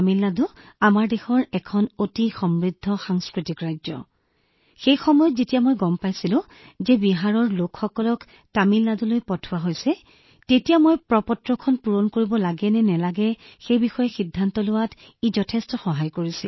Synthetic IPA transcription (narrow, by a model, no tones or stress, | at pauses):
milːadʊ | amaɹdexɔɹɛkʰɔnotixɔmɹidʱːɔxaŋskɹitikɹajzɔ̰ | xejxɔmɔjɔtzetijamɔjɡɔmpajsilʊ̃ | zɛbiɦaɹɔɹlokxɔkɔlɔk | tamilːadulojpɔtʰʊwaɦojsɛ | tetijamojpɹɔpɔtɹɔkʰɔnpuɹonkoɹibɔlaɡɛnɛnɛlaɡɛxejbixɔjɔxidʱːantɔlʊwat | izɔtʰɛstɔxɔɦajkoɹisɛl